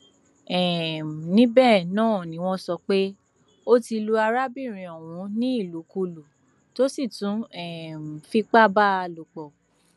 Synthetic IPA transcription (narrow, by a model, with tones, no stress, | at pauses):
ɛ˨m˨nĩ˦bɛ˦˨nãː˦˨nĩ˨˦w̃ɔ̃˦sɔ˧k͡pe˦ | o˦ti˧lu˧a˧ɾa˦bi˦˨ɾ̃ĩ˨ɔ˨wũ˨˦nĩ˦i˦˨lu˨˦ku˧lu˨ | to˦si˦˨tũ˨˦ɛ˨m˨fi˧k͡pa˦˨ba˦a˧lo˨k͡pɔ˨